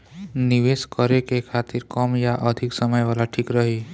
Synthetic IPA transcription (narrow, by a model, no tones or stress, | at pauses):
nɪʋeːskəɾekekʰaːt̪ɪɾkɔmjaʔəd̪ʱiksəməjʋaːlaʈʰiːkɾəɦi